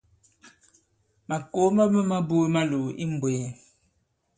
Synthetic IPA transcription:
ma˨ko˦ma˦mə˦ma˦bu˦ma˦lo˨ʔḭ˦m˨bwe˨

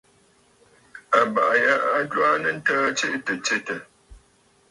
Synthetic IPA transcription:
a˨ba˨ʔa˨ja˦a˦dwa˦nə˦n̩˦təː˦t͡ʃe˦ʔtə˨t͡ʃe˦tə˨

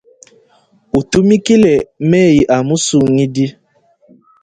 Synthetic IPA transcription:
u˨tu˦mi˦ki˦le˨˦meː˦˨ji˨ʔa˨mu˦su˨ŋi˦di˦

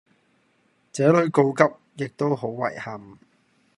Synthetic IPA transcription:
t͡sɛː˨˥lɵ˨˥ɥko˧wkɐ˥p̚jɪ˨k̚t̪o˥wɦo˨˥wːɐ̰˨˩jhɐ˨m

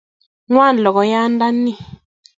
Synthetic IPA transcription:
ŋwa˦˨n˨lɔ˨kɔ˨ja˦nda˦ni˦

